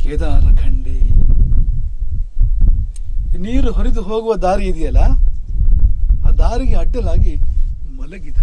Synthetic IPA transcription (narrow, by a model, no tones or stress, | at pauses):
keːd̪aːlɐɡɐɳɖi | niːɾuɦɔɾid̪uɦoːɡuʋɐd̪aːɾiːd̪ijɐlːɐ | aːd̪aːɾiɡeɐʈːɐlaːɡimɐlɐɡid̪ɐ